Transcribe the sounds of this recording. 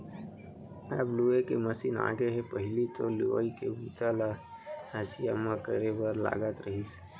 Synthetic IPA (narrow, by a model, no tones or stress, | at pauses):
ɐbluekemɐsina̰ːɡeɦɛ̃pəɦɪlit̪olio̰ikḛbuːt̪alaəsija̰mãkəɾebəɾla̰ːɡət̪ɾəɦis